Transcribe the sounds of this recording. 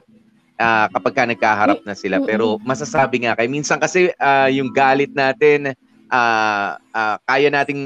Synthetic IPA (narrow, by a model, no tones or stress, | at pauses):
ʔaːkɐpɐɡ̚kanɐɡ̚kaːɦɐɾap̚nɐsɪlapɛːɾo̞mɐsasaːbɪŋakɐjminsɐŋkɐsɛaːjʊŋɡaːlɪt̪̚naːt̪ɪn | ʔaːʔaːkaːjɐnaːt̪ɪŋ